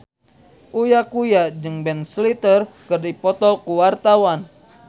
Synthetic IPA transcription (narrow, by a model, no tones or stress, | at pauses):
ʔujakujad͡ʒɨŋbɛnslit̪ərkɨrdipɔt̪ɔkuwart̪awan